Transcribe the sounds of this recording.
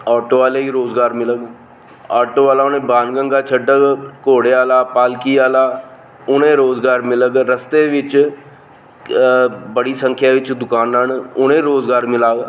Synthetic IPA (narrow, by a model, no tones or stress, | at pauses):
aːʈoːʋaːleːiːɾoːzɡaːɾmɪləɡ | aːʈoːʋaːlaːʊnẽːbaːnɡə̃ŋɡaːt͡ʃʰəɖəɡkoːɽeːaːlaːpaːlkiːaːlaː | ʊnẽːɾoːzɡaːɾmɪləɡɾəst̪eːʋɪt͡ʃ | bəɽiːsə̃ŋkʰjaːʋɪt͡ʃd̪ʊkaːnənʊnẽːɾoːzɡaːɾmɪlaːɡ